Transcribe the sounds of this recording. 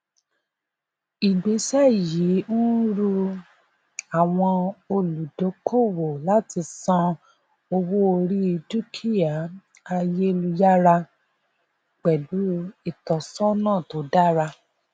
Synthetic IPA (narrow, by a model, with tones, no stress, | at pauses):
i˨ɡ͡be˨˦sa˦˨ji˨˦n̩˦ɾu˧ | a˨w̃ɔ̃˧o˧lu˨do˨˦kʰo˦˨wo˨la˦ti˧sɔ̃˧ | o˧wo˦o˧ɾi˦i˧tu˦kʰi˦˨a˨ | a˧je˦˧lu˧ja˦ɾa˧ | k͡pɛ˨lu˨˦i˦˨tɔ˨sɔ̃˦nãː˦˨to˨˦da˦ɾa˧